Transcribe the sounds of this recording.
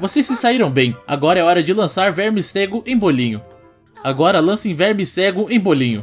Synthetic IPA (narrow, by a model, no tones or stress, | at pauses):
vosessɪsaiɾɐ̃w̃bẽj̃a̰ɡɔɾɐɛɔɾɐd͡ʒɪlɐ̃saɾvɛɾmɪsseɡʊʔẽj̃bolĩɲʊ | aɡɔɾɐlɐ̃sẽj̃vɛɾmɪseɡʊẽj̃bolĩɲʊ